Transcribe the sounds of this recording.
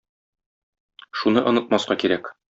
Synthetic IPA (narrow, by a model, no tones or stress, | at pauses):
ʃunɤʔŏnɤ̆t̪̚mɑsqɑkiɾæk